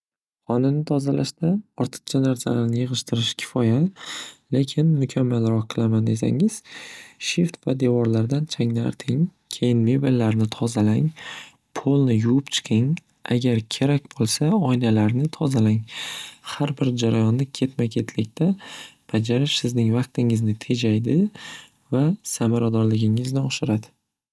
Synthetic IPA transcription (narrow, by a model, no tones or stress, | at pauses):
χɒnanɪt̪ʰɒzalaʃd̪aɒɾt̪ʰɨ̥q̚t͡ʃʰanaɾsa̰laɾnɪjɨʁɨʃt̪ʰɪɾɪʃkʲʰɪ̥fɒjale̞kʲʰɪnmʊkʲʰamːalɾɒqqʰːɨlˠamand̪e̞sa̰ŋɪz̥ʃɪft̪vad̪e̞vɒɾlaɾd̪ant͡ʃʰaŋna̰ɾt̪ʰɪŋ | kʲʰe̞jɪnmebelːaɾnɪt̪ʰɒzalaŋ | pʰolˠnɪjʊwʊpt͡ʃʰɨ̥qʰɨŋ | a̰ɡʲaɾkʲʰe̞ɾakʲbolˠsaɒjlalaɾnɪt̪ʰɒzalaŋhaɾbɪɾd͡ʒaɾajɒnːɪkʲʰe̞t̪makʲʰe̞t̪ʰlɪkʲt̪ʰab̥ad͡ʒaɾɪʃsɪznɪŋvɑq̚t̪ɪŋɪznɪt̪ʰe̞d͡ʒajd̪ɪ | vasamaɾad̪ɒɾlɪɡʲɪŋɪznɪɒʃɪɾad̪ɪ̥